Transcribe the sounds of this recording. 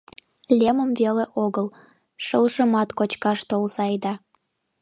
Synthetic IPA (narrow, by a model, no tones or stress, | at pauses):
lʲeməmveleʔoɣəl | ʃəlʒəmɑt̪kot͡ɕkɑʃt̪olzɑjd̪ɑ